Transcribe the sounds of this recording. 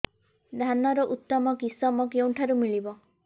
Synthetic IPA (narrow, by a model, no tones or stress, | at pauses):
d̪ʱanɔɾɔʔut̪ːɔmɔkisɔmɔkew̃ʈʰaɾumiɭibɔ